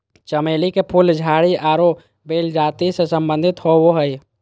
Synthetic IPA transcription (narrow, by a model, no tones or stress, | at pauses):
t͡ʃəmeːlikepʰuld͡ʒʱaːɽiʔaːɾo | beːld͡ʒaːt̪isesəmbə̃nd̪ʱɪt̪ɦowoɦəi